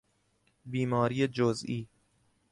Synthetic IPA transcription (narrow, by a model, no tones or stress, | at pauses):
biːmɒːɾiːjed͡ʒozʔiː